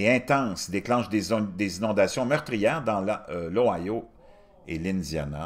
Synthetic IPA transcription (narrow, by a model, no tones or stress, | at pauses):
eɛ̃t̪ɑ̃ŋsd̪eklɑ̃ʃd̪ed̪ezinɔ̃d̪asjɔ̃mœʁt̪ʁijɛːʁd̪ɑ̃llɔajo | ḛlɪnzja̰na̰